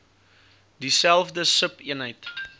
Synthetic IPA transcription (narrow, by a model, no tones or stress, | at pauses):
disælˠfdəsəpiənɦəjt